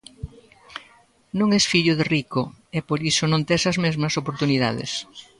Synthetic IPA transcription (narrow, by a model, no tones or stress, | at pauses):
nõŋɛsfiʎʊðerikoepoɾisʊnõnt̪esɐzmezmɐsopoɾt̪uniða̰ðɪ̰s